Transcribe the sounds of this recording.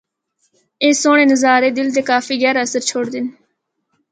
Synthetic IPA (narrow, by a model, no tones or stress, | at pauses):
eːsoːɳeːnəzaːɾeːd̪ɪlt̪eːkaːfiːɣɛːɾəsəɾt͡ʃʰoːɽd̪ɪn